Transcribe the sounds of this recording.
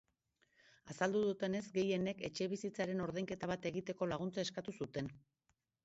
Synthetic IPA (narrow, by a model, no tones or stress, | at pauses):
asald̪uðut̪e̞ne̞zɡe̞je̞ne̞ke̞t͡ʃe̞βisit͡saɾe̞no̞ɾðejŋke̞t̪aβ̞at̪e̞ɣit̪e̞ko̞laɣ̞unt͡sae̞skat̪usut̪e̞n